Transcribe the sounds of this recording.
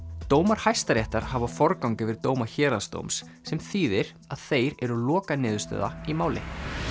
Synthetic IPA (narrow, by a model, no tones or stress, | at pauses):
t̪oːwmaɾ̥hajst̪aɾjɛht̪aɾ̥havafɔɾkawŋkɪvɪɾt̪oːwmaçɛːɾast̪o̰wmsːɛmθiːðɪɾ̥ | aðθejɾɛɾʏlɔːkanɪːðʏst̪œ̰ːða̰imaːwlɪ̰